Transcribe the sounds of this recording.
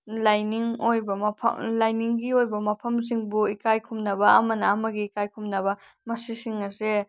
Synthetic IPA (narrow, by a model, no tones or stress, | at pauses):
lajniŋojbɐmɐpʰɐ̰lajniŋɡiojbɐmɐpʰɐms̬iŋbuikajkʰumnɐbɐɐmɐnɐɐmɐɡiːkajkʰumnɐβɐ | mɐsisiŋɐse